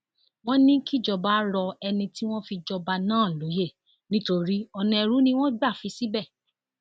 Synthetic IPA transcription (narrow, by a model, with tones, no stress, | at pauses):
w̃ɔ̃˦nĩ˦ki˦˨d͡ʒɔ˧ba˨˦ɾɔ˧ɛ˧nĩ˧ti˦w̃ɔ̃˦fi˧d͡ʒɔ˧ba˧nãː˦˨lo˨˦je˦˨ | nĩ˦to˧ɾi˦ɔ˧nĩ˧ɛ˧ɾũ˨˦nĩ˦w̃ɔ̃˦ɡ͡ba˦˨fi˨˧˦si˦bɛ˦˨